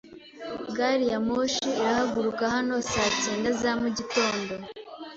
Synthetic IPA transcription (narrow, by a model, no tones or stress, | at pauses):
ɡaɾijamoʃiːɾahaɡuɾukahano̞saːceːndazamuɟito̞ːndo̞